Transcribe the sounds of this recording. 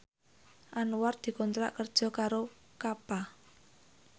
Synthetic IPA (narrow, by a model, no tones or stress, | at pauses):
ʔanward̪̥i̤kɔnt̪ɾa̰ʔkərd̥ʒ̥ɔ̤kaɾo | kapa